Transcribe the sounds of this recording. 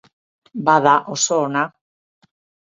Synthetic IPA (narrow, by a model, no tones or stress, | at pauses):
baðaʔosoːna